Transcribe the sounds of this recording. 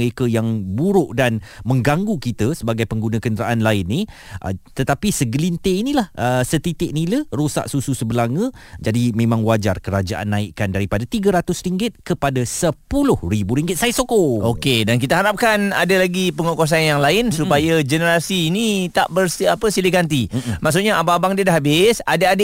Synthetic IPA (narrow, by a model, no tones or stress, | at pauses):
ɾekajaŋbuɾʊʔdanmə̃ŋɡaŋɡukit̪əsəbaɡajpəŋɡunãkənd̪əɾaʔanlaɪnːĩ | ʔə̰t̪ət̪apisəɡəlint̪einĩlahʔəsət̪it̪ɪʔnilərosa̰ʔsususəbəlaŋə̃d͡ʒadimẽmãŋwad͡ʒarkəɾad͡ʒaʔa̰nːãɪʔkandaɾipadat̪iɡəɾat̪ʊsriŋɡɪt̪̚kəpadasəpulʊhribuɾiŋɡɪt̪̚sajasokookedankit̪aɦaɾap̚kana̰dalaɡipəŋokos̬anjaŋlaɪnsupajad͡ʒənəɾasiːnĩt̪a̰ʔbərsapəsiliɡant̪imaʔs̬uʔ̪̚ɲaʔabaabaŋdiədaɦabɪsadaadə